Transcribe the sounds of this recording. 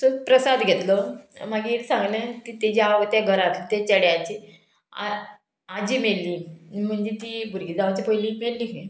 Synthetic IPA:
sokpɾəsad̪ɡʱet̪lɔm̤aɡiːɾsãŋɡlət̪it̪ed͡ʑaʋət̪jaɡʱəɾat̪t̪at͡ɕəɽjat͡ɕi | a̰ | ad͡ʑimeɭliːm̤əɳd͡ʑet̪ibʱuɾɡid͡zaʋat͡ɕipojliːmelliɦe

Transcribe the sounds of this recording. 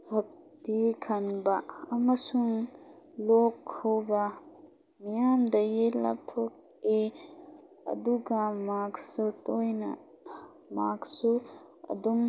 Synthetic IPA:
hɐk̚tikʰanbɐːmɐsuŋlokʰːawbɐ | mijandɐjila̰tʰok̚ | e | ɐ̰duɡɐmaksutojnɐ̰ | maksu | ɐ̰dum

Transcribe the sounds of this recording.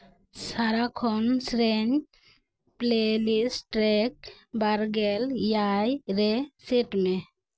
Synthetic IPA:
saɾakʰɔnsɾɛɲ | plelisʈɾɛk | baɾɡɛljajɾɛseʈmɛ

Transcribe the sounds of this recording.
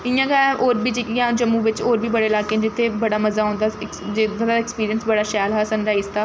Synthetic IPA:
ɪjãːɡaɛ̃ʔoːɾbiːd͡ʒɪkjãːd͡ʒəmːũːʋɪt͡ʃoːɾbiːbəɽeːlaːked͡ʒɪt̪ʰːebəɽaːməzaːɦõːnd̪aːkd͡ʒɪd̪ad̪aɪkspiːɾijənsbəɽaːʃɛːlɦaːsənɾaːizt̪aː

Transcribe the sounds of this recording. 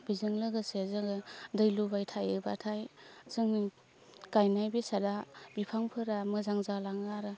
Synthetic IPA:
b̥izɯŋlɯɡɯsezɯɡɯdɯjlubajtʰajɯba̰tʰajzɯŋi | kajnajbesadabipʰaŋpʰɯɾamɯzaŋzalaŋaɾɯ

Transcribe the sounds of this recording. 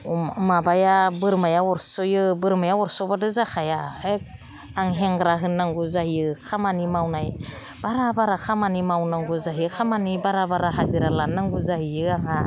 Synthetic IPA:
mabajabɯɾmajaɔɾsɔjɯbɯɾmajaɔɾsɔbadɯzakʰajae | aŋɦeŋɡɾaɦɯnːaŋɡuzahiɯkʰamanimawnaj | b̥aɾabaɾakʰamanimawnaŋɡuzaɦiɯkʰamanibaɾabaɾaɦaziɾalanːaŋɡuzaɦijɯaŋa

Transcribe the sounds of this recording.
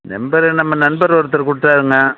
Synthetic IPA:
nɛ̰mbɐɾɯnɐmːɐnɐnbɐɾʋɐɾɯt̪ːɯɾkʊɽɯʈːaːɾɯŋɡɐ

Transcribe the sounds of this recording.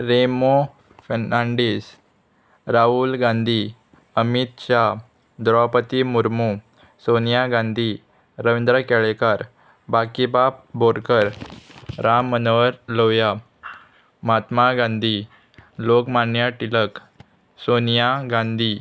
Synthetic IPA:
ɾemo | fənãɳɖiːs | ɾaulɡãnd̪ʱi | əmit̪ɕa | d̪ɾɔpət̪imuɾmu | sonjaɡãnd̪ʱi | ɾəʋind̪ɾəkɛɭekaɾ | bakibab̚boɽkəɾ | ɾamːənʋəɾloja | mat̪maɡãnd̪ʱi | lokmanjaʈilək | sonjaɡãnd̪ʱi

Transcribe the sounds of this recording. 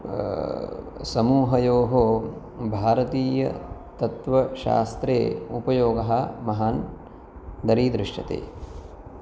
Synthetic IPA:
sɐmuːɦɐjoːɦoː | bʱaːɾɐt̪iːjɐ̰t̪ɐt̪ʋɐʃa̰ːst̪ɾḛːupɐjoːɡɐɦɐmɐɦaːn | d̪ɐɾiːd̪ɾɪʂʈɐ̰t̪ḛː

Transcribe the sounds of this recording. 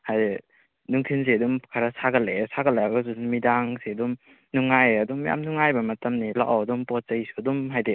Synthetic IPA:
haje | nuŋkʰins̬eɐdumkʰaɾasaɡɐlesaɡɐleaɡɐs̬unumidaŋseɐdum | nuŋajɐdumja̰mnuŋajbɐmɐtɐmnilaʔawɐdumpɔt̚zɐjsuɐdumɦajde

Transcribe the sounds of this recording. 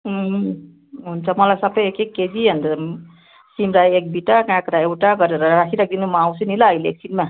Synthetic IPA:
ɦuɦ | ɦunt͡sʰʌmʌlasʌbʌjekekːed͡ʒiɦʌnd̪ | simɾajek̚biʈakãkɾaewʈaɡʌɾeɾʌɾakʰiɾak̚ʰd̪inumaaw̃sʰunilʌʌjlḛk̚sinma

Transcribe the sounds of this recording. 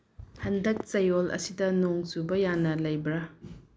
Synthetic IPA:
hɐndɐk̚t͡ʃɐjolʔɐ̰sidɐnoŋsubɐjanɐlɐjbɾa

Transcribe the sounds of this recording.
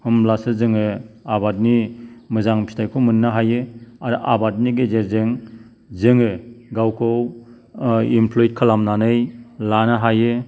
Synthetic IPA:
hɯmlasɯzɯŋɯabat̚nimɯzaŋpʰi̥stʰajkʰɯmɯnːaɦajɯaɾʔabat̚niɡezeɾzeŋ | zɯŋɯɡawkʰɯw | impʰlojit̚kʰalamnanɯjlanaɦajɯ

